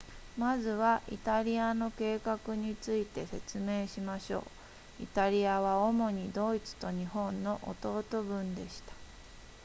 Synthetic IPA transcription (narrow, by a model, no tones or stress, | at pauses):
mazɨβaʔḭt̪aɾʲiano̞ke̞ːkakɯ̟ɲ̟it͡sɨit̪e̞se̞t͡sɨme̞ːɕimaɕo̞̰ː | ḭt̪aɾʲiaβao̞mo̞ɲ̟id̪o̞it͡sɨ̥t̪o̞ɲ̟ihõ̞nːo̞ʔo̰t̪o̞ːt̪o̞bɯ̟̃nd̪e̞ɕi̥t̪ḁ